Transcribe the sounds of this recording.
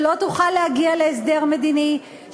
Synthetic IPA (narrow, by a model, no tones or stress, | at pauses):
lo̞t̪uχalːehaɡialeːs̬d̪eʁme̞d̪ini